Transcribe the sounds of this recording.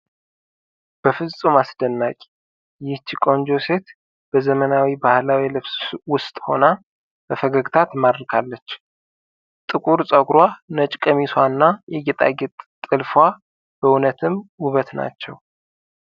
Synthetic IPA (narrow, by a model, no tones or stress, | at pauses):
b̥əfɨzt͡sʼumasd̪ənːakʲʼ | jɪht͡ʃikʼo̞nd͡ʒo̞se̞t̪ | b̥əzəmənawibahlawilɨβswʊst̪ʼho̞̰na | b̥əfəɡəɡt̪ʰat̪mad̪ɾkʰalːət͡ʃː | t̪ʼɨkʼuɾsʼəɡɾwanət͡ʃʼkʼəmiswanːajɛɡɛt̪ʼa̰ɡɛt̪ʼt̪ʼɨlfa | b̥əʊnət̪ʰɨmuβət̪na̰t͡ʃːɛ̰w